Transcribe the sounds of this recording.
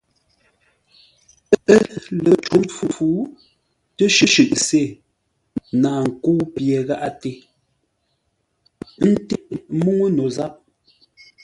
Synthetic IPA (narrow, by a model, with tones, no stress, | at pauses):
ə˦ʔə˦lə˨t͡ʃu˨˦fu˦fu˦ | tə˦ʃɨ˦ʃʉ˨ʔse˦˨ | naː˨ŋ̩˨ku˦pje˨ɣa˦ʔa˦te˨ | n̩˦ti˦ʔmu˦ŋə˦no˨za˦p̚